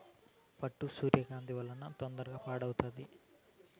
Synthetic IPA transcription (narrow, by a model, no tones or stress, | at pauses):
pɐʈːusuːɾjɐɡaːnd̪iʋɐlːɐnɐt̪ond̪ɐɾɐɡaːpaːɽɐwut̪ɐnd̪i